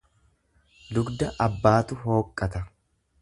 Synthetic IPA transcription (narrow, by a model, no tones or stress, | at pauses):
lʊɡd̪ɐʔɐbːaːt̪ʊɦo̞ːkʼːɐt̪ɐ